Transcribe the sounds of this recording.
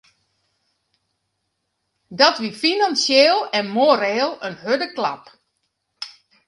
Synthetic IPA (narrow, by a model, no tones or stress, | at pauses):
dɔtʋifinansjeːlˠɛnmoːɾeːlˠənhødəkla̰p